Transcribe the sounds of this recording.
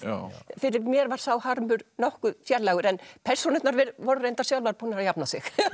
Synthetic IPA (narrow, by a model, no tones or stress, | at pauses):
fɪɾɪɾmjɛɾvaɾ̥sawhaɾmʏɾnɔhkʏfjɛɾlaɣʏɾɛnpʰɛr̥sunɪt̪naɾvɛɾvɔɾrejnt̪ḁsjawlvaɾpuːnaɾajapnasɪx